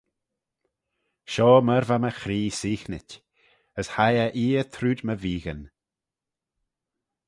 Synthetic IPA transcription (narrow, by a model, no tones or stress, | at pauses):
ʃɔːməɾvaməxɾiːsiːxnɪtʲ | əshajəʔiːət̪ʰɾuːdməviːɣən